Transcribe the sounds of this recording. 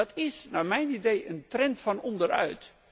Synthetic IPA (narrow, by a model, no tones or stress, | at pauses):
ɑtɪsnaːmɛjnidejəntrɛntfɑnɔndəɾœ̰ɥt